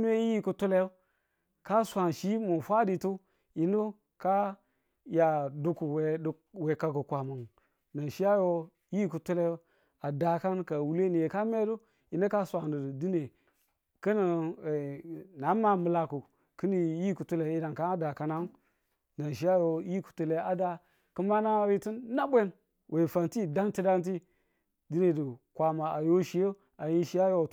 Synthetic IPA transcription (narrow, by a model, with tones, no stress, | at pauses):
nu˦e˦i˦i˦ku˨tu˦le˦jo˦ | ka˦sʷa˨nʃi˦mu˨fa˦di˨tu˦ | i˨nu˦ | ka˦ | ja˨du˨ku˨we˨ | we˨ka˨ku˨kʷa˨mu˨ŋ | na˨ʃi˦a˦jo˦ | ji˦ku˨tu˦le˦ | a˨da˨ka˦nka˨wu˦le˦ni˨je˨ka˦me˦du˦ | i˨nu˦ka˦sʷa˨nə˨di˦ne˨ | kə˦ni˨ | na˨˦ma˨mɨ˨la˨ku˨ | kɨ˦ni˨ji˦ku˨tu˦le˨˦i˦da˨nka˦a˦da˨ka˦na˦n˦ | na˨ʃi˦a˦jo˨˦ji˦ku̥˨tu˨le˨˦a˨da˦ | ku˦ma˦na˦ɾi˦ti˦nːa˦bʷe˦ | wʔe˨fa˨nti˦˨da˦nti˦da˦nt̬i˦ | di˦ne˨du˨kʷa˨ma˨a˨jo˦ʃi˨˦jo˦ | a˨ji˦ʃi˦ja˦jo˦˨